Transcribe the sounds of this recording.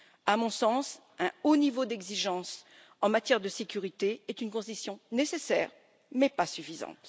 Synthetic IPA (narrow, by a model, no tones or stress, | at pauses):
amɔ̃sɑ̃s | ɛ̃onivod̪ɛɡziʒɑ̃s | ɑ̃mat̪jɛʁd̪əsekʲyʁit̪eɛt̪ynkɔ̃sisjɔ̃nesesɛ̰ʁ | mɛpasyfizɑ̰̃t̪